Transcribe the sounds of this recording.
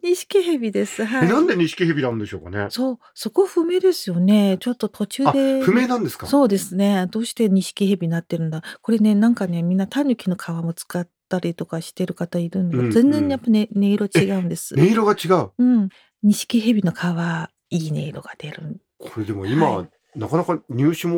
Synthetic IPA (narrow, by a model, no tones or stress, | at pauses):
ɲ̟iɕi̥kʲiɦe̞bʲid̪e̞sɨɦainãnd̪e̞ɲ̟iɕi̥kʲiɦebʲinand̪e̞ɕo̞ːka̰nḛso̞ː | so̞ko̞ɸɯ̟me̞d̪e̞sɨjo̞ne̞t͡ɕo̞t̪ːo̞t̪ʰo̞t͡ɕɨːd̪eɸɯ̟me̞ːnãnd̪esɨ̥kaso̞ːd̪e̞sɨne̞d̪o̞ːɕi̥t̪e̞ɲ̟iɕi̥kʲihe̞bʲiinat̪ːe̞ɾɯ̟̃nd̪ako̞ɾe̞ne̞nãŋkane̞mʲĩnːat̪aɲʲɯkʲino̞kʰaβamo̞t͡sɨ̥kat̪ːaɾʲit̪o̞kaɕi̥t̪e̞ɾɯ̟kat̪aiɾɯ̟̃nazẽ̞nd͡zzẽɲːijapːanene̞iɾo̞t͡ɕiɡaɯ̟̃nd̪e̞sɨ̥̰neiɾo̞ɡat͡ɕiɡaɯ̟ɯ̟̃ɴ | ɲ̟iɕi̥kʲiɦebʲino̞kʰaβa | iːne̞̰ːɾo̞ɡ̥ad̪̥e̞ɾɯ̟n | kʰo̞ɾe̞d̪e̞mo̞̰ima̰ | nakanakaɲʲɨːɕimo